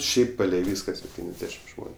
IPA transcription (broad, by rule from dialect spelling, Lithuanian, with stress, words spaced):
ˈʃʲɛɪp ˈpɑːlʲɛɪ ˈʋʲiːskɐ sʲɛpʲˈtʲiːnʲɛzʲˌdʲæːʃʲɪm ˈʒmoːnʲʊ